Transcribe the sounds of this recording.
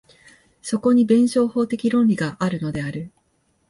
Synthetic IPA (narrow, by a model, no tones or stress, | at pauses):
so̞ko̞ɲ̟ibẽ̞ɰ̃ɕo̞ːho̞ːt̪e̞kʲiɾõ̞nɾʲiɡaʔaɾɯ̟no̞d̪e̞aɾɯ̟